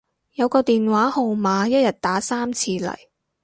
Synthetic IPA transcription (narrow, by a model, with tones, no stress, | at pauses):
jɐ˨˧wkɔː˧t̪iː˨nwaː˨˥ho˨wmaː˨˧jɐ˥t̚jɐ˨t̚t̪aː˨˥saː˥mt͡sʰiː˧lɐ̰˨˩j